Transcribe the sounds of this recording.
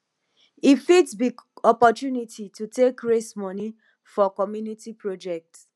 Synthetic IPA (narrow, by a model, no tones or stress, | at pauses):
ifidsbiɡɔpɔtjunitʰitutekɹesmɔ̃ni | fɔkɔmjunitipɹod͡ʒɛk̚t